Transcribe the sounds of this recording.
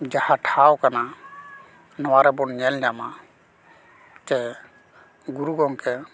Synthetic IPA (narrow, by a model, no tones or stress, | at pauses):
d͡ʒahaʈʰawkana | nɔwaɾɛbɔɾnɛlnama | tɛ | ɡuɾuɡɔŋkʰɛ